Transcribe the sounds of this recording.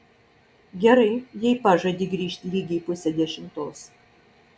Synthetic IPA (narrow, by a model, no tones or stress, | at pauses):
ɡʲɛɾɐɪjɛɪpɑʒɐd̪ʲiːɡɾʲiːʃʲt̪ʲlʲiːɡʲiːpʊsʲɛd̪ʲɛʃʲɪmt̪oːs